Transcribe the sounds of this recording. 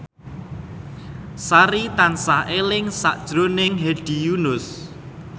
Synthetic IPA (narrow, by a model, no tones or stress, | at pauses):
saɾit̪ansaɦʔelɪŋsa̰ʔd̥ʒ̥ɾonɪŋɦeɖ̥i̤junʊs